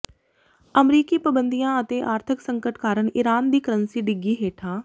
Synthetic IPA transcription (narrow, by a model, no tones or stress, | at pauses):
əmɾiːkiːpɾəbənd̪ijãːət̪eːʔaːɾt̪ʰɪksə̃ŋkəʈkaːɾəɳɪɾaːnd̪iːkəɾənsiːɖɪɡːiːɦeːʈʰaː